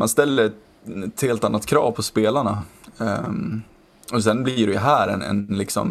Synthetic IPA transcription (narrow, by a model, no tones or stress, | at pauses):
manst̪ɛlːəɾ | ɛt̪heːlt̪anːat̪kʰɾɑ̰ːvpʰɔspeːlaɳa | ɔs̬ɛnbliɖɛjɦæːɾɛ̰nɛ̰nlɪksɔ̰m